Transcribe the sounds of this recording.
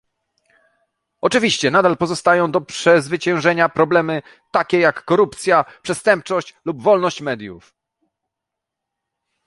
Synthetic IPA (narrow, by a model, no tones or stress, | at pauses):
ɔt͡ʂɘvʲiɕt͡ɕɛnad̪alpɔzɔst̪ajɔ̃w̃d̪ɔpʂɛzvɘt͡ɕɛ̃w̃ʐɛɲapɾɔblɛmɘ | t̪akʲɛjakːɔɾupt̪sʲjapʂɛst̪ɛmp̚t͡ʂɔɕt͡ɕlubvɔlnɔɕt͡ɕmɛd̪ʲjṵf